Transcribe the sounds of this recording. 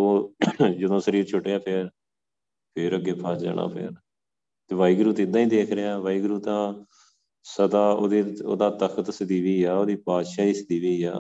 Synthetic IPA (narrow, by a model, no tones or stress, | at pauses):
oːd͡ʒəd̪õːsəɾiːɾt͡ʃʰʊʈːeːaːpʰɪɾ | pʰɪɾəɡːeːpʰaːd͡ʒd͡ʒa̰ːña̰ːpʰɪ̰ɾ | t̪eːʋaːiːɡɾuːt̪ɪd̪ãːĩːd̪eːkʰɾeaːʋaːiːɡɾuːt̪ãː | səd̪aːoːd̪eːo̰ːd̪aːt̪əkʰət̪səd̪iːʋiːaːoːd̪iːpaːt̪ʃaːiːsd̪iːʋiːa̰ː